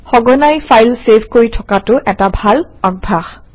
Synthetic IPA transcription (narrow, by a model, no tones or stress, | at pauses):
xɔɡɔnajfajlsepʰkoɹitʰɔ̥katʊʔɛtabʱalaɡ̚bʱax